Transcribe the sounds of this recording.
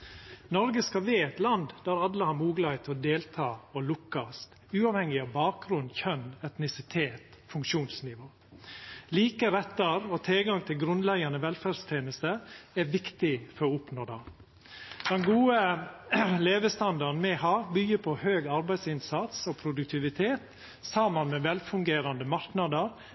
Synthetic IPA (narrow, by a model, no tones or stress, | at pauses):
nɔɾɡəskɑʋeːɛt̪lɑnd̪d̪æɾɑlːəhɑɾmuːɡlɑɪt̪ʰɔd̪eːlt̪ʰɑːɔlʊkːɑst̪ | ʉːɑʋhɛŋːɪɑːʋbɑːk̚ɡɾʉnçœnɛt̪nɪsɪt̪ʰeːt̪fʉŋkʃuːnsnɪʋoː | liːkəɾɛt̪ːəɾɔt̪ʰɪlɡɑŋt̪ʰɪlɡɾʉnlɛɡɑnəʋɛlfæst̪ʰjeːnəst̪əæɾʋɪkt̪ɪfɔɾoʊpnoːd̪ɑ | d̪̥ɛnɡuːə | leːʋəst̪ɑnd̪ɑɾn̩mɛhɑːbyːəpʰɔhøːɡɑɾbæɪsɪnsɑt̪sopʰɾʊd̪ʉk̚t̪ʰɪʋɪt̪ʰeːt̪ | sɑmənmɛʋɛlfʉŋɡeːɾɑnd̪əmɑɾknɑd̪əɾ